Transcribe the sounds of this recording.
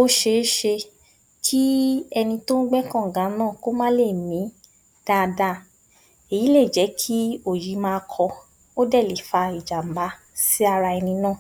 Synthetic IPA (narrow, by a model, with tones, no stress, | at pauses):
o˦ʃe˧˦ʃe˧ | kʰi˦ɛ˧nĩ˧to˦n̩˦ɡ͡bɛ˦kã˦˨ɡã˨˦nãː˦˨ko˦mã˦le˦˨mĩ˨˦ | d̥a˦˧da˦˨ | e˨ji˨˦le˦˨d͡ʒɛ˨˦kʰi˦o˦˨ji˨˦mãː˧kʰɔ˧ | o˦dɛ˦˨le˨˦fa˧i˨d͡ʒa˨m̩˨ba˨˦ | si˦a˧ɾa˧ɛ˧nĩ˧nãː˦˨